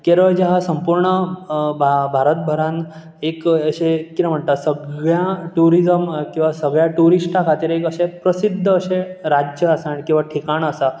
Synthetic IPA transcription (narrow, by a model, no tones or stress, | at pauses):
keɾəɭd͡ʑaɦasəmpuɾɳəbʱabʱaɾət̪̚bʱəɾãn | ekəɕekit̪ə̃m̤əɳt̪asəɡɭjaʈuɾizəmkĩw̃ʋasəɡɭjaʈuɾiʂʈakʰat̪iːɾekəɕepɾəsid̪ʱːəːɕeɾad͡ʑjəəsaɽ̃ikĩw̃ʋaʈʰikaɳ̃əsa